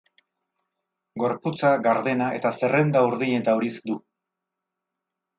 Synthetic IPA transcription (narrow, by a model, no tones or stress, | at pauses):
ɡo̞ɾput͡saɣaɾðe̞naʔe̞̰t̪ase̞re̞nd̪auɾðiɲe̞t̪auɾisd̪u